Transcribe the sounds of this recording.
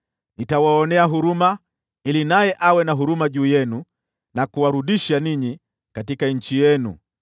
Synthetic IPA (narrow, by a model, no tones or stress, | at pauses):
nitawaɔnɛaɦuɾuma | ilinajɛʔawɛnaɦuɾumaʄuːjɛnu | nakuwaɾuɗiʃaniɲi | katikaɲ̩t͡ʃijɛnṵ